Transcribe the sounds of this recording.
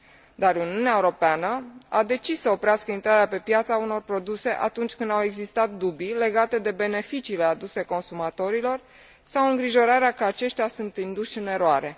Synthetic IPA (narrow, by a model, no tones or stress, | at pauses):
d̪aruniuneaeuɾo̞peanəad̪e̞t͡ʃisːəo̞pɾeaskəint̪ɾaɾeape̞pjat̪sauno̞rpɾo̞d̪use̞ʔa̰t̪unt͡ʃʲkɨnd̪awe̞ɡzist̪at̪̚d̪ubile̞ɡat̪e̞d̪e̞be̞ne̞fit͡ʃiːle̞ad̪use̞ko̞nsumat̪o̞ɾilo̞r | sawɨŋɡɾiʒo̞ɾaɾeakəat͡ʃe̞ʃt̪ʲasunt̪ind̪uʃɨne̞ɾoaɾe̞